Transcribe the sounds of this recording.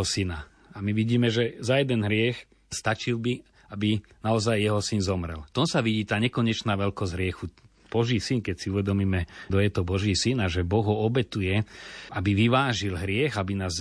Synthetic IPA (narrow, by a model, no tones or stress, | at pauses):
ɔsina | amiʋiɟiːmɛʒɛzajɛd̪ɛnɦɾɪɛx | st̪at͡ʃilbi | abinaɔzajːɛɦɔsinzɔmɾɛ̰lt̪ɔnsaʋiɟiːt̪aːɲɛkɔɲɛt͡ʃnaːʋɛlkɔzʲɦɾɪɛxu | b̥ɔʒiːsinkɛcsiuʋɛd̪ɔmiːmɛd̪ɔjɛt̪ɔbɔʒiːsinaʒɛbɔɣɦɔɔbɛt̪ujɛabiʋiʋaːʒilɦɾɪɛɣabinaːz